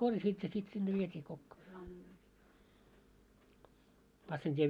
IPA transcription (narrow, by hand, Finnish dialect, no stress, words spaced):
korjɑsiːt jɑ sit sinːe ʋietʲiː kokːoː mɑsːintʲieʋ